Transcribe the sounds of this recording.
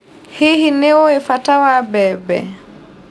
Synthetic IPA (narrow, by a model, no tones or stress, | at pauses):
hihinɛɔefatawabɛbɛ̰